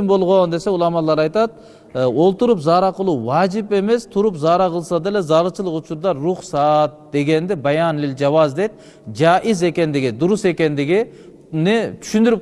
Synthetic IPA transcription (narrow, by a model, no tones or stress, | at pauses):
mbo̞lˠʁo̞nd̪e̞se̞ulˠɑmɑlˠːɑɾɑjt̪ɑt̪̚ | o̞lˠt̪uɾupzɑɾɑqəlˠuwɑd͡ʒipe̞me̞st̪ʰuɾupzɑɾɑqʰəlˠsɑd̪ele̞zɑɾɯt͡ʃlˠəqut͡ʃuɾd̪ɑɾuχsɑt̪̚d̪e̞ɡe̞nd̪ibɑjɑnlild͡ʒɑβɑzd̪et̪̚ | d͡ʒɑʔize̞kʲe̞nd̪iɡid̪uɾuse̞kʲe̞nd̪iɡi | net̪ʰy̥ʃynd̪yɾyp